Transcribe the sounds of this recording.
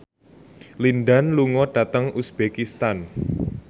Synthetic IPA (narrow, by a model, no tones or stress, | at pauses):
linɖanluŋɔɖ̥a̤t̪əŋʔusb̥ekist̪an